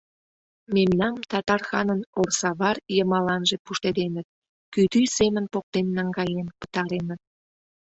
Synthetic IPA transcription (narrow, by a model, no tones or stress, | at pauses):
memnɑmt̪ɑt̪ɑrxɑnənorsɑβɑrjəmɑlɑnʒepuʃt̪ed̪enət̪̚ | kyd̪ysemənpok̚t̪enːɑŋɡɑjempə̥t̪ɑɾenət̪̚